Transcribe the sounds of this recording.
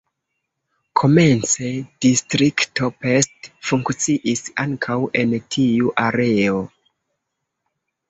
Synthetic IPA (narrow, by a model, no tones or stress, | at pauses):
kʰo̞me̞nt͡se̞d̥istɾikto̞pestfuŋkt͡siʔisaŋkʰawe̞ntʰiuʔaɾe̞o